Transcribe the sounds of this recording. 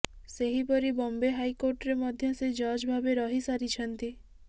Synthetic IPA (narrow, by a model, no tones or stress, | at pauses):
seɦipɔɾibɔmbeɦaikoɾʈɾemɔd̪ʱjɔsed͡ʒɔd͡ʒbʱabeɾɔɦisaɾit͡ʃʰɔnt̪i